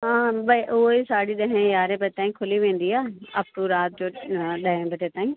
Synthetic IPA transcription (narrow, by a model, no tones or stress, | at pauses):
ɦãːbɐiʔʊɦoisaːɽiɗ̪ɐɦẽjaːɾebɐʈt̪aːĩkʰʊliʋẽːn̆d̪iaːɐpʈuɾaːt̪̚d͡ʑoːɗɐɦẽbɐʈet̪aːĩ